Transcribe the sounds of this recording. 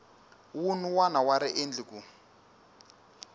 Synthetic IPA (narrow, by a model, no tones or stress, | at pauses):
wunuwanawaɾiʔend͡ɮiku